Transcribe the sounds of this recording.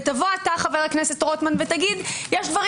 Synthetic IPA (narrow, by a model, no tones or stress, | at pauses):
tavo̞ataχaveʁlaknese̞tʁotmanvetaɡid̪jeʃd̪vɐʁ